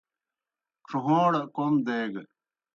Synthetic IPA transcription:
ʈ͡ʂʰuɦõːɽkomd̪eːɡ

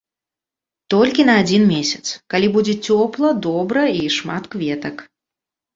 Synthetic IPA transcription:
t̪ɔlʲkʲinɐːd͡zʲinmʲesʲɐt̪skalʲibud͡zʲɛt͡sʲɔplˠɐd̪ɔbɾɐiʂmat̪kvʲɛt̪ɐk

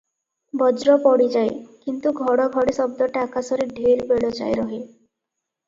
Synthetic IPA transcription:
bɔd͡ʒɾɔpɔɽid͡ʒajkint̪uɡʱɔɽɔɡʱɔɽesɔb̚d̪ɔʈakasɔɾiɖʱeɾbeɽɔt͡ʃa̰jɾɔɦe

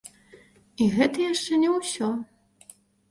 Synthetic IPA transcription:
iɣɛt̪ɐjaʂt͡ʂɛnʲɛwsʲɔ

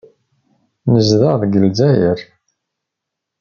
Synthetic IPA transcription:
nəzðəʁðɡəlzæjəɾ

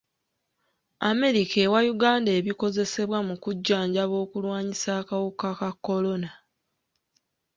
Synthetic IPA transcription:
ame̞ɾikʰe̞ːwajuɡaːndeβiko̞ze̞se̞βwamukuɟːaːɲɟaβo̞ːkulwaːɲisaːkawukakakːo̞lo̞na

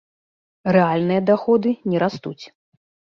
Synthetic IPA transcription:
rɛalʲnɨjɐd̪axɔd̪ɨnʲɛɾast̪ut͡sʲ

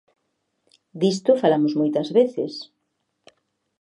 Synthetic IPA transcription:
d̪ist̪ʊfalamʊzmojt̪ɐzβeθɪ̰s

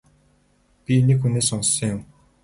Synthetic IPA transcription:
pinekxuneːsɔnsĩ̆ŋjʊm

